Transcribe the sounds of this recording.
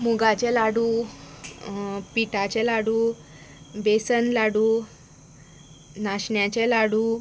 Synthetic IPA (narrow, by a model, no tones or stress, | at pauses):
muɡat͡ɕelaɽuː | piʈat͡ɕɛlaɽuː | besənlaɽuː | naɕɳjat͡ɕelaɽuː